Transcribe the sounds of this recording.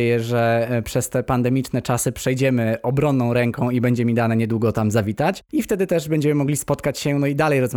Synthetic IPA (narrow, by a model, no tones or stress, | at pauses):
jɛʐɛpʂɛst̪ɛpand̪ɛmʲit͡ʂnɛt͡ʂasɘpʂɛjd͡ʑɛmɘɔbɾɔnːɔ̃w̃ɾɛŋkɔ̃w̃ibɛɲd͡ʑɛmʲid̪anaɲɛd̪wuɡɔt̪amzavʲit̪at͡ɕift̪ɛd̪ɘt̪ɛʐbɛɲd͡ʑɛmɘmɔɡlʲispɔt̪kat͡ɕɕɛnɔid̪alɛjɾɔzm